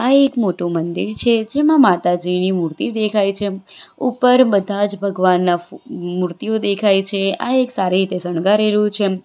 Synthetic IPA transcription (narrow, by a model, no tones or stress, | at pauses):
aekmoʈũmənd̪iɾt͡ʃʰed͡ʒemãmat̪ad͡ʒinimuɾt̪id̪ekʰajt͡ʃʰeupəɾbəd̪ʱad͡ʒbʱəɡʋanːamuɾt̪iod̪ekʰajt͡ʃʰea̰eksaɾiɾit̪esəɳ̃ɡaɾɛɾjũt͡ʃʰe